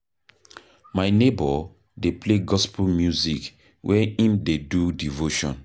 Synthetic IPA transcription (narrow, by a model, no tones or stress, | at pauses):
majnebɔ | depleɡɔsplmjuzik | wʔɛĩmdedudivoʃɔ̰̃n